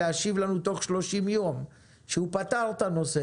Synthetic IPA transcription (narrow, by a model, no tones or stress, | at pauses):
aʃivlanut̪o̞χʃlo̞ʃimjo̞m | ʃehupat̪aʁt̪anose